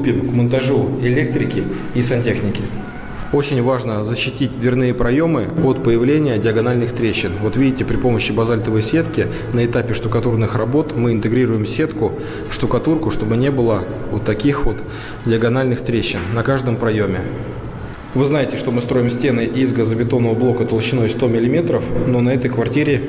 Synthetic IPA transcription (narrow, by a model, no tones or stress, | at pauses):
pʲimkmənt̪ɐʐuɪlʲe̞k̚t̪ɾʲɪkʲɪ | isɐnʲtʲexnʲɪkʲɪ | o̞t͡ɕɪnʲvaʐnəzəɕːɪtʲit̚ʲd̪vʲɪrnɨjəpɾɐjo̞mɨo̞t̪pəjɪvlʲenʲɪjədʲɪəɡɐnalʲnɨxt̪ɾʲeɕːɪnvo̞t̪vʲidʲɪtʲɪpɾʲɪpo̞məɕːɪbɐzalʲt̪əvəjsʲe̞t̪kʲɪ | nəɪt̪apʲɪʂt̪ʊkɐt̪urnɨxrɐbo̞t̪mɨɪnt̪ɨɡɾʲiɾʊjɪmsʲe̞t̪kʊ | fʂt̪ʊkɐt̪urkʊʂt̪o̞bɨnʲe̞bɨlˠə | ʊt̪ːɐkʲixvo̞t̪ | dʲɪəɡɐnalʲnɨxt̪ɾʲeɕːɪnːɐkaʐd̪əmpɾɐjo̞mʲɪ | vɨznajɪtʲɪʂt̪o̞mɨst̪ɾo̞jɪmsʲtʲe̞nɨʔizɡəzəbʲɪt̪o̞nːəvəblˠo̞kət̪əlˠɕːɪnost̪o̞mʲɪlʲɪmʲe̞t̪ɾəfno̞nɐɛt̪əjkvɐrtʲiɾʲɪ